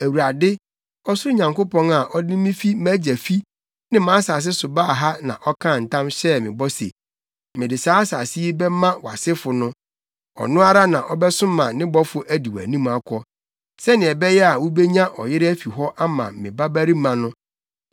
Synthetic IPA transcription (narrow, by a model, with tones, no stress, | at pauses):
æ˨wu˨ɾa˨dɪ˦ | ɔ˦sʊ˦ʊ˦ɲã˨ŋko˦pɔ̃˦na˨ʔɔ˦dɪ˦mɪ̃˦fi˦mæ̃˦d͡ʑæ˨fi˦ | nɪ̃˦mã˨˦sa˨s̬ɪ˦sʊ˨baː˦˨ɦa˦nã̰˨ʔɔ˦kʰã˦˨n̩˨tʰã˦mɕɛ˦mɪ̃˨bɔ˦sḛ˨ | mɪ̃˨dɪ˨saː˦a˦saː˨sɪ˦i˦bɛ˦mã˦wa˨sɪ˦fʊ˨nʊ̃˦ | ɔ̰˨nʊ̃˦a˦ɾa˦nã˨ʔɔ˦bɛ˦sʊ̃˦mã˨nɪ̃˦bɔ˦fʊ˨ʔæ˦di˨wæ̰˨nĩ˦ma˦kʷʰɔ˦ | sɛ˦nɪ̃˨ɛ˨bɛ˦jɛ˦a˨wʊ˦bɛ˦ɲã˦ʔɔ˨jɪ˦ɾɪ˦æ˦fi˨ɦɔ˦ʔa˦mã̰˨mɪ̃˨ba˦bæ˦ɾi˦mã˨nʊ̃˦